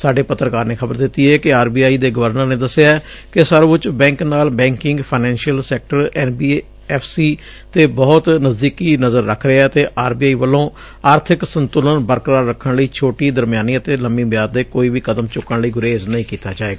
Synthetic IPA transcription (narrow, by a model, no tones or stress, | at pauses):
saːɖeːpət̪ːɾəkaːɾneːkʰəbəɾd̪ɪt̪ːiːɛːkɪaːɾbiːaːiːd̪eːɡəʋəɾnəɾneːd̪əsɪjaːɛ | kɪsəɾʋʊt͡ʃbɛ̃ːŋknaːlbɛ̃ːŋkɪŋɡpʰaːnɛ̃ːnʃijəlsɛːk̚ʈəɾɛːnbiː | ɛːpʰsiː | t̪eːbɔːt̪nəzd̪iːkiːnəzəɾːəkʰɾeɛt̪eːʔaːɾbiːaːiːʋəlːõː | aːɾt̪ʰɪksənt̪ʊlənbəɾkɾaːɾːəkʰːəɳləiːt͡ʃʰoːʈiːd̪əɾmjaːniːət̪eːləmĩːbjaːd̪eːkoːiːʋiːkəd̪əmt͡ʃʊkːəɳləiːɡʊɾeːznəĩːkiːt̪aːd͡ʒaːeːɡaː